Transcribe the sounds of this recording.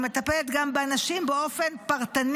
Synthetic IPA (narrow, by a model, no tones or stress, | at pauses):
me̞t̪apelet̪ɡambeanaʃimbeo̞fe̞npaʁt̪an